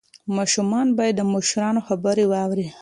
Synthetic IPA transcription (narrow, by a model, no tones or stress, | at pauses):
mɑʃumɑnbɑjad̪ːəmʊʃɾɑnoxabəɾewɑwɾi